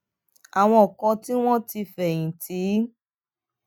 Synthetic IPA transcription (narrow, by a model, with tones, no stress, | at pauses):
a˨w̃ɔ̃˧ɔ˨kɔ̃˧ti˦w̃ɔ̃˦ti˧fɛ˨j̃ĩ˨tʰi˨˦